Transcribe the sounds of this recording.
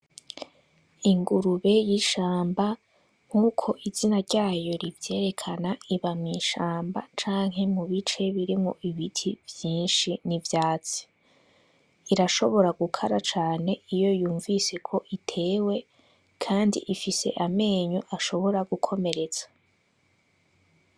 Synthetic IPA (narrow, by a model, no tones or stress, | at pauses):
iŋɡuɾuβe̞jiʃaːmba | ŋ̥uːkʰo̞ʔizinaɾɟaːjo̞ɾivje̞ːɾe̞kʰanaiβamŋiːʃaːmba̰t͡ʃaːŋɦe̞muβit͡ʃe̞βiɾimŋo̰ʔiβitʰivjiːnʃinivjaːt͡si̥ | iɾaʃo̞βo̞ɾaɡukʰaɾat͡ʃaːne̞ijo̞juːɱvise̞kʰo̞ʔitʰe̞ːwe̞ | kʰaːndḭʔifise̞̰ʔame̞ːɲuʔaʃo̞βo̞ɾaɡukʰo̞me̞ɾe̞t͡sḁ